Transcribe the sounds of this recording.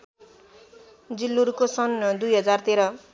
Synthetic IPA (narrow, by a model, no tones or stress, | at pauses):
d͡zilːuɾukosʌnd̪ujɦʌd͡zart̪eɾʌ